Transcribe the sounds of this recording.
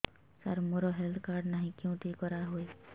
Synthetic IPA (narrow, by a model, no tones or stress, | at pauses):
saɾmoɾɔɦelt̪ʰkaɾɖnaɦĩkẽʊ̃ʈekɔɾaɦoe